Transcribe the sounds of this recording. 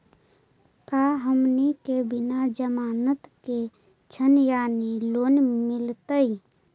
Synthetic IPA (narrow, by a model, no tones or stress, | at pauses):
kaːɦəmnikebɪnad͡ʒəmaːnət̪ke | t͡ʃʰənjaːniloːnmɪlt̪əi